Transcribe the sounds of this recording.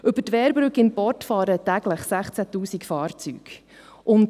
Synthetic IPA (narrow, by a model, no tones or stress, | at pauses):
ʔɵbətʋɛːɾbɾʉkɪnpɔrtfɑːɾətæɡ̥ləχsæχt͡sætuːsikfɑːɾt͡sy̰ːk | ʔʊnt